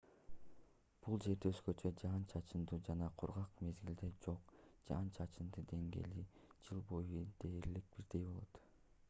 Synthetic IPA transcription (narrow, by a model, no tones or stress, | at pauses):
b̥ulˠd͡ʒe̞ɾd̪eøzɡø̞t͡ʃʰød͡ʒɑnt͡ʃʰɑt͡ʃʰɯnd̪ud͡ʒɑnɑqʰuɾʁɑqme̞zɡild̪ed͡ʒo̞qd͡ʒɑ̰nt͡ʃʰɑt͡ʃʰɯnd̪ɯd̪e̞ŋɡe̞̰lid͡ʒɯlˠbo̞jud̪̥e̞ːɾlik̚b̥iɾd̪e̞jbo̞lˠo̞t̪